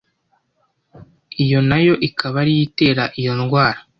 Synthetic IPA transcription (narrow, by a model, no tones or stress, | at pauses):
ijo̞najo̞ʔikʰaβaɾijite̞ːɾaʔijo̞nɡwaːɾa